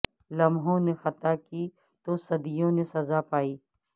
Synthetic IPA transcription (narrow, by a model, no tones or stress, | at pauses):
lɐmɦõnexɐt̪akiː | t̪osɐd̪ijõnesɐzaːpaːiː